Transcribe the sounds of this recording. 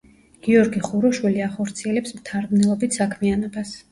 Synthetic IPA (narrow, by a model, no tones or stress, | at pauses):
ɡ̥iɔɾɡiχuɾɔʃwiliaχɔɾt̪sʰiɛlɛpsmt̪ʰaɾd̪nɛlˠɔbit̪ʰsakʰmianɔbas